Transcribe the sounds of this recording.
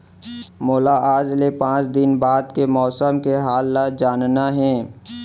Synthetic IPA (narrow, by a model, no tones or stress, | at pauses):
moːlaaːd͡ʒlepãːt͡ʃd̪ɪnbaːd̪kemɔːsəmkeɦaːlːad͡ʒaːnnaɦɛ̃ː